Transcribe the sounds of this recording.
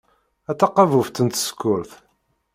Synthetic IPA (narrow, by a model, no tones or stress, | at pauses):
æt̪ːɑqːɑvuft̪ənt̪sə̥kːʊɾθ